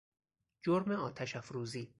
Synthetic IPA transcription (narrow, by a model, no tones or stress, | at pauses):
d͡ʒoɾmeɒːt̪ʰæʃæfɾuːziː